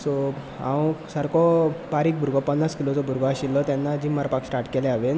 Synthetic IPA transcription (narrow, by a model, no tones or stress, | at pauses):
so | ã̰wsəɾkɔpaɾiːk̚bʱuɾɡɔpənːaskilot͡sɔbʱuɾɡɔaɕilːɔt̪janːad͡ʑimːaɾpaksʈaɾʈkeleaʋen